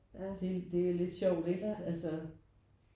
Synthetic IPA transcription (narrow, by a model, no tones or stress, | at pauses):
æd̥ed̥e̝æle̝d̥ɕɒʊ̰d̥eɡ̥d̥æælsə